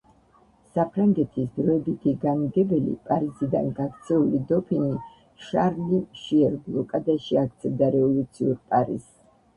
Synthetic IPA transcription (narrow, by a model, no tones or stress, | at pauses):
sapʰɾaŋɡɛt̪ʰisd̪ɾɔɛbit̪ʰiɡaniɡ̪ɛbɛlḭpʼaɾizid̪a̰nɡaɡt̪sʰɛulid̪ɔpʰini | ʃaɾlimʃiɛɾblˠɔkʼad̪aʃiak̚ʰt̪sʰɛvd̪aɾɛvɔlˠut̪sʰiuɾpʼaɾḭz̥